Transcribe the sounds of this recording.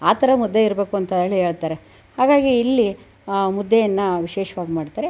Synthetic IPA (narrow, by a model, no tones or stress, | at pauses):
aːt̪ʰɐɾɐmud̪ːeiɾɐbe̞ːkuɐnt̪ɐɐɭiɦeːɭt̪aːɾe | haːɡaːɡiːlːi | mud̪ʱːejɐnːɐʋiʃeːʃɐʋaːɡimaːɽt̪aːɾe